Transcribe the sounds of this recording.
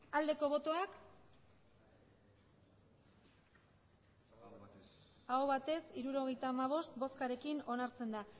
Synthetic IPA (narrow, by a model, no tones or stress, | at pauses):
ald̪e̞ko̞βo̞t̪o̞ak | aoβat̪e̞siɾuɾo̞ɣ̞e̞jt̪aːmaβ̞o̞st̪̚bo̞skaɾe̞kino̞naɾt͡se̞nd̪a